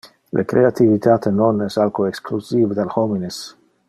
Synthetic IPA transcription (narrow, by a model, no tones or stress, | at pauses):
lʔḛkɾeat̪ivit̪ʰat̪enonɛsalkoeksklusived̪alxomines